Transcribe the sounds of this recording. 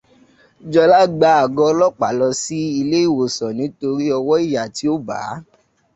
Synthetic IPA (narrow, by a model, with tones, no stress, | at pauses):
d͡ʒɔ˧la˦ɡ͡ba˨˦a˨ɡɔ˧˦lɔ˦k͡pa˨lɔ˧si˦i˧le˦i˦˨wo˨sɔ̃˨nĩ˨˦to˧ɾi˦ɔ˧wɔ˦i˦˨ja˨ti˨˦o˦˨ba̰ː˨˦